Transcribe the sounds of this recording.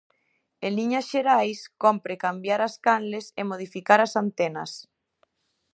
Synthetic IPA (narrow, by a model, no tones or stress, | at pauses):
eliɲɐsʃeɾajskɔmpɾekambjaɾaskanlesemoð̞ifikaɾasant̪ɛnɐ̰s